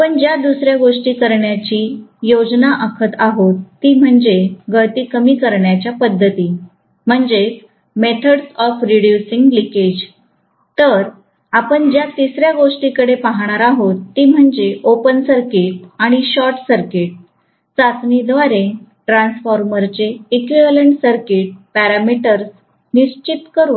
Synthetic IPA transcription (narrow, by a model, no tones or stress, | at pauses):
apəɳd͡ʑjad̪usɾjaɡoʂʈiːkəɾɳjat͡ɕiːjod͡ʑnaʔəkʰət̪aɦot̪ːiːm̤əɳd͡zeɡəɭt̪ikəmiːkəɾɳjat͡ɕjapəd̪ʱːət̪iː | m̤əɳd͡ze | met̪ʰəɽsɔfɾiɽjusiŋɡliked͡ʑ | t̪əɾ | apəɳd͡ʑjat̪isɾjaɡoʂʈikəɽepaɦɽ̃aɾaɦot̪ːiːm̤əɳd͡zeʔopənsəɾkiʈ̚aɽ̃iɕɔɾʈsəɾkeʈ̚ | sat̪nid̪ʋaɾẽʈɾãnsfɔɾməɾt͡seːkʋiʋələɳʈsəɾkiʈ̚pæɾamiʈəɾs | niɕt͡ɕit̪kəɾun